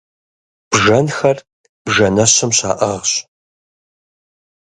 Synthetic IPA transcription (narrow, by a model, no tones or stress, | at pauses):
b̥ʒɐnxɐr | b̥ʒɐnɐɕɐmɕa̰ːʔɐʁɕ